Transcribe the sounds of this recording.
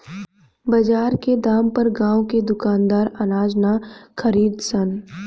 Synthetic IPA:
bɐd͡ʒaːɾked̪aːmpɐɾɡãːwked̪ʊkaːnd̪aːɾɐnaːd͡ʒnakʰəɾiːd̪sən

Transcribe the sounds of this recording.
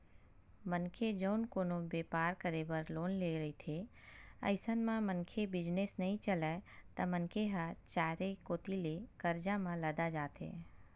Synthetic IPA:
mənkʰed͡ʒəʊnkoːnobeːpaːɾkəɾebəɾloːnleɾɐɦit̪ʰe | ə̰ɪsənmãmənkʰebɪd͡ʒnesnɐɦĩt͡ʃəlat̪ɐmənkʰeɦat͡ʃaːɾekoːt̪ilekəɾd͡ʒamãlɐd̪ad͡ʒaːt̪ḛː

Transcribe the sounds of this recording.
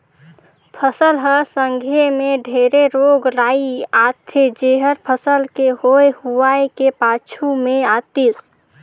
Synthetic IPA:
pʰəsəlɦəsəŋɡʱemẽɖʱeɾeɾoɡɾaiat̪ʰed͡ʒeɦəɾpʰəsəlkeɦoehuaekepat͡ʃʰumeat̪is

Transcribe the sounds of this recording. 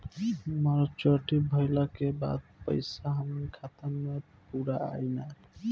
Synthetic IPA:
ɦməɾt͡ʃəʈibʱəjlakeba̰d̪̚pə̰ɪsaɦəmənkʰat̪əɾme | puɾaa̰jnak

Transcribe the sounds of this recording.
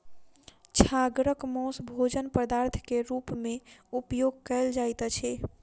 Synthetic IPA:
t͡ʃʰaɡɾəkmɔ̃sbʱod͡ʒənpəd̪aɾt̪ʰkeɾupmeupjoɡ̚kɛɪld͡ʒajt̪t͡ʃʰɛ

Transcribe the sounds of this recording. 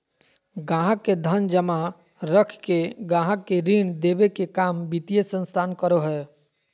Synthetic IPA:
ɡãːɦəkːed̪ʱənd͡ʒəma | ɾəkʰkeɡãːɦəkːeɾiɳd̪eːbekekaːmbit̪ijesə̃nst̪ʰaːnkəɾoɦɛː

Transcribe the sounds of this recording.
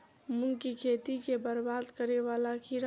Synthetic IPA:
mʊlkikʰeːt̪ikebəɾbaːd̪kəɾeʋaːlakʰiɾ

